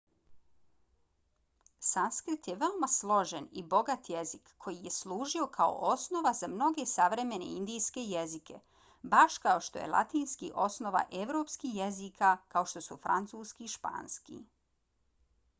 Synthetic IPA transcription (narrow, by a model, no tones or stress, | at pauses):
sanskɾit̪jeʋe̞omaslˠo̞ʒenibo̞ɡat̪je̞zikʰːo̞jije̞slˠuːʒio̞kʰao̰ʔosno̞ʋazamno̞ɡe̞saʋɾe̞me̞ne̞̰ind̪ijske̞jezikʰe̞̰ | baʃkao̞ʃt̪o̞̰jelˠa̰t̪iːnskiʔo̞sno̞ʋa̰ʔe̞ʋɾo̞pskijezikʰakao̞ʃt̪o̞sufɾa̰nt̪suːskiʃpa̰ːnskḭ